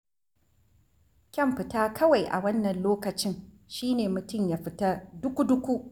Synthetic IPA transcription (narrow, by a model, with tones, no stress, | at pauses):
kʲɐ˦˨mɸɪ˨taː˦kʰɐ˦wa˨jʔa̰˨wɐ˦nːɐ˨nloː˦kɐ˨t͡ʃɪ˦ŋ | ʃiː˦neː˨mʊ˨tʊ˦˨mjaː˦ɸɪ˦ta˦dʊ˦kʷu˦dʊ˦kʷu˦ʔ